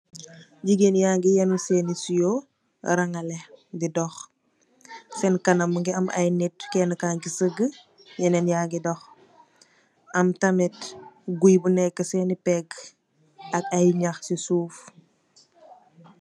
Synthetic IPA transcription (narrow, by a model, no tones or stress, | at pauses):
ɟiɡenjaːŋɡijɛnusɛːnisijo | ɾɐŋɐlɛdidɔx | sɛnkɐnɐmuŋɡiɐmʔɐjnitkɛːnkaːŋkisəɡ | jɛnɛnjaːŋɡidɔx | ɐmtɐmɛtɡujbunɛkːəsɛnipɛɡ | ʔɐk̚ɐjɲaxsisuːf